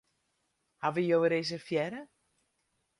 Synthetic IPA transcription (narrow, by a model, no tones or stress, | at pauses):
haʋəjowəɾesərfjɛɾə